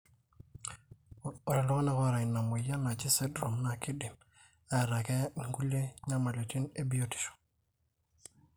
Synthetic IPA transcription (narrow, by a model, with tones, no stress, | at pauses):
o˨ɾa˨lɔ˦ko˦na˨ko˦ɾa˨i˨na˨mu˨ja˦na˨t͡ʃi˦se˦dɾo˨mna˦˨ki˦di˨m | a˨ɾa˨ke˦˨ŋɡu˦le˦ɲa˦ma˨le˨ti˦ne˦bi˦o˦ti̥˨ʃo̥˨